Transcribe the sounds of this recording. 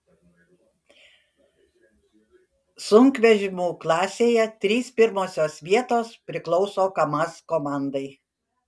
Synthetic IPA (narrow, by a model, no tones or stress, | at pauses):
sʊŋkʋʲɛʒʲɪmuːklˠɑːsʲeːjɛt̪ʲɾʲiːspʲɪɾmoːsʲoːsʋʲiɛt̪oːspʲɾʲɪklˠɒʊsoːkɐmɐskoːmɑˑnd̪ɐɪ